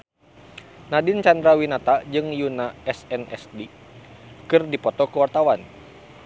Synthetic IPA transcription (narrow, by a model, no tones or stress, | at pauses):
nadɪnt͡ʃandɾawinat̪ad͡ʒɨŋjunaɛsɛnʔɛ̰sdi | kɨrdipɔt̪ɔkəwart̪awan